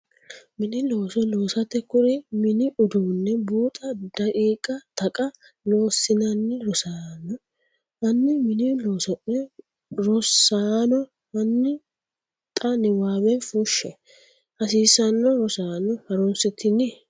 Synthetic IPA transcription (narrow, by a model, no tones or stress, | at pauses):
mɪnɪloːsɔloːsɐt̪ːɛkʊɾɪmɪnɪʊd̪uːnːɛbuːt̪ʼɐd̪ɐkʼiːkʼːɐt̪ɐkʼɐ | lo̞ːsːɪnɐnːɪɾɔsaːnɔ | ɐnːɪmɪnɪloːsɔʔɛ | ɾɔsaːnɔ | ɐnːɪ | t̪ʼɐnɪwaːbɛnfuʃɛ | hɐsiːsɐnːɔɾɔsaːnɔhɐɾɔnsɛt̪ʰːɪnːɪ